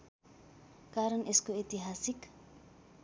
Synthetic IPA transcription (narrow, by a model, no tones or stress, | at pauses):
kaɾənʔeskoet̪iɦasik